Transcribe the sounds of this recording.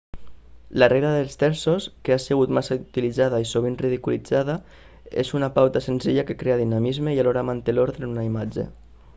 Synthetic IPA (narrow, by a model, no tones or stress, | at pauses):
lareɣɾaðelˠst̪ɛɾsoskeaseɣut̪masaut̪ilizaðaisoβ̞inriðikulid͡zaða | ḛzunapawt̪asenziʎakekɾeaðinamizmeialoɾamant̪eloɾðɾeunaimad͡ʒḛ